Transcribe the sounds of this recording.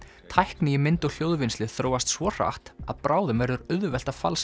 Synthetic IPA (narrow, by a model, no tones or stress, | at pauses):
t̪ʰajhknijɪmɪnt̪ɔɣl̥joːwðvɪnst̪lɪθɾoːwast̪svɔr̥a̰ht̪a̰ðpɾaːwðʏmvɛɾʏɾʏðʏvɛl̥t̪ḁfa̰ls